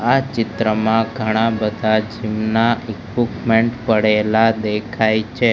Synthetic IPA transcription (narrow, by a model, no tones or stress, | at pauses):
at͡ʃɪt̪ɾəmãɡʱəɽ̃ãbəd̪ʱad͡ʒimnaʔikʋipmeɳʈpəɽelad̪ekʰajt͡ʃʰe